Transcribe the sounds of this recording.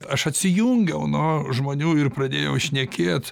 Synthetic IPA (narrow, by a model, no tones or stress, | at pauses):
ɐʃɐt̪ʲsʲɪjuːŋʲɡʲɛʊnʊʒmoːnʲuːɪrpɾɐd̪ʲeːjɛʊʃʲnʲɛkʲeːt̪